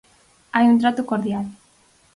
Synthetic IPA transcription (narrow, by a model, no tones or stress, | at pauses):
ajunt̪̬ɾat̪ukoɾðjal